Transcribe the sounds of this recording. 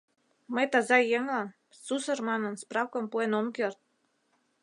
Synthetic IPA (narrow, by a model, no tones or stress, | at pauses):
məjt̪ɑzɑjeŋlɑn | susərmɑnə̆nsprɑwkɤ̆mpuenomkert̪̚